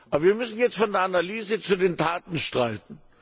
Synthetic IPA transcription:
ʔʔabɐviːɐmʏsn̩jɛt͡stfɔndeːɐʔanalyːzət͡sudeːntʰaːtn̩ʃtʁ̥aɪtn̩

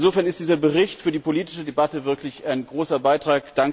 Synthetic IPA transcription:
nzoːfɛɐnɪstd̥iːzɐbəʁɪçtfyːɐdiːpoliːtɪ̥ʃədebatəvɪɐklɪçaɪnɡʁoːsɐbaɪtʁ̥aːkd̥aŋ

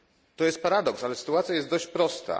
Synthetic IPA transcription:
t̪ɔjɛst̪̚paɾad̪ɔksalɛsɘ̥t̪uat̪sjajɛst̪d̪ɔɕt͡ɕpɾɔst̪a̰

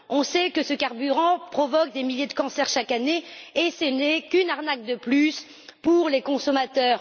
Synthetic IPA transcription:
ɔ̃sɛkəsəkaʁbyʁɑ̃pχɔvɔk̚d̪emiljed̪əkɑ̃sɛʁʃakaneːsɛnɛkynaʁnak̚d̪əplys | puʁlekɔ̃sɔmat̪œːʁ

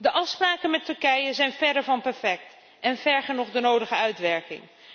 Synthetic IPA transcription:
dəʔɑfspraːkənmɛtɵɹkɛjəzɛjnvɛɹdəɹvɑnpɛɹfɛk̚t | ɛnvɛɹχənʊχdənowdəχəœɥtʋɛɹkɪ̰ŋ

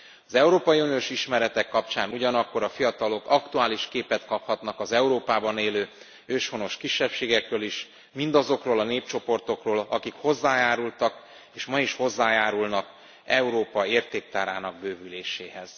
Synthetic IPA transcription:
ɒzɛuɾoːpɒjiunijoːʃiʃmɛɾɛt̪ɛkːɒpt͡ʃaːnuɟɒnɒkːo̞ɾɒfijɒt̪ɒlo̞kɒkt̪uaːliʃkeːpɛt̪kɒphɒt̪nɒkɒzɛuɾoːpaːbɒneːløː | øːʃhono̞ʃkiʃːɛpʃeːɡɛkrøːliʃ | mind̪ɒzo̞kroːlɒneːp̚t͡ʃo̞po̞rt̪o̞kroːlɒ̰kikho̞zːaːjaːɾult̪ɒk | eːʃmɒiʃho̞zːaːjaːɾulnɒk | ɛuɾoːpɒeːrt̪eːk̚t̪aːɾaːnɒɡ̚bøːvyleːʃeːɦɛz̥

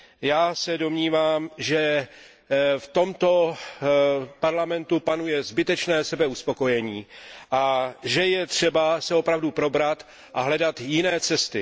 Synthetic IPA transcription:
jaːsɛdo̞mɲiːvaːmʒɛ | ft̪o̞mt̪o̞ | paɾlamɛnt̪upanujɛzbɪt̪ɛt͡ʃnɛːsɛbɛuspo̞ko̞jɛɲiːʔaʒɛjɛt̪r̝̥ɛbasɛo̞pɾavdupɾo̞bɾat̪ | ʔaɦlɛdat̪jɪnɛːt͡sɛst̪ɪ

